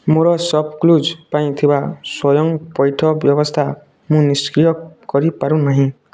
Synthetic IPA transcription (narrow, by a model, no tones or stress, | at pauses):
moɾɔsʌb̚klud͡ʒpaĩt̪ʰibaswɔjɔŋpɔjʈʰɔbjɔbɔst̪ʰa | mũniskɾijɔkɔɾipaɾũnaɦĩ